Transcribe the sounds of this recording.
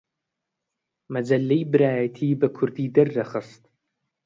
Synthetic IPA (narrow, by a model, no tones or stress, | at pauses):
mɐd͡ʒɐlːejbɨɾaːjɐtʰiːbɐkʷʰʊrdiːdɨrːɐχəstʼ